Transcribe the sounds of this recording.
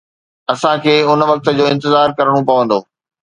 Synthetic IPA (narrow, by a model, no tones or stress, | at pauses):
ɐsãkʰeːʊnʋɐk̚t̪ə̆d͡ʑoːɪ̃nt̪ɪzaːɾkɐɾəɽ̃opɐʋə̃nd̪oː